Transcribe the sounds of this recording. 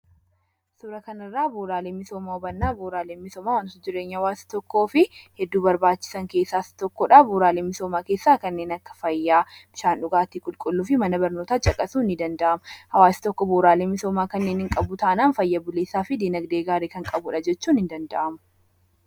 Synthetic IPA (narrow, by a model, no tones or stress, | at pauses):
sʊɾɐkɐnɐrːaːboːɾaːleːmɪsoːmaːʊbɐnːaːboːɾaːleːmmɪsoːmaːwɐnt̪ʊd͡ʒɪɾeːɲːɐhɐwaːsɪ̥t̪ɔkːo̞ːfɪhɛd̪ːuːbɐɾbaːt͡ʃːɪ̥sɐŋke̞ːsːaːst̪ɔkːɔᶑaːboːɾaːleːmːɪsoːmaːke̞ːsːaːkɐnːe̞ːnɐkːɐ̥fɐjːaːb̥ɪʃaːnᶑʊɡaːt̪iːkʼʊlkʼʊlːuːfɪmɐnɐbɐɾno̞ːt̪aːt͡ʃʼɐkʼɐsuːnːɪd̪ɐnd̪ɐʔɐmhɐwaːsɪ̥t̪ɔkːɔboːɾaːleːmɪsoːmaːkɐnːe̞ːnɪŋkʼɐbʊt̪aːnaːnfɐjːɐbʊleːsaːfɪd̪iːnɐɡd̪e̞ːɡaːɾeːkɐŋkʼɐbʊᶑɐd͡ʒɛt͡ʃːuːnɪnd̪ɐnd̪ɐʔɐmʊ̥